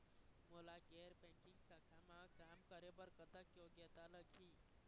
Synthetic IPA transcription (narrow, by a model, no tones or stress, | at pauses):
molaɡeːɾbɛ̃ŋkɪŋɡsakʰamãkaːmkəɾebəɾkət̪əkjoɡɛːt̪aləɡʱiː